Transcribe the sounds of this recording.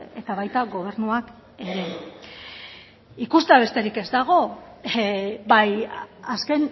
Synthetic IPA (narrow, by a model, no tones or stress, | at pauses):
e̞t̪aβ̞ajt̪aɡo̞β̞e̞ɾnuak | e̞ɾe̞ | ikust̪aβ̞e̞st̪e̞ɾike̞zd̪aɣ̞o̞ | bajaske̞n